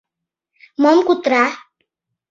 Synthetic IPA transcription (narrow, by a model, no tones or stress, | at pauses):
mʌmkut̪ɾa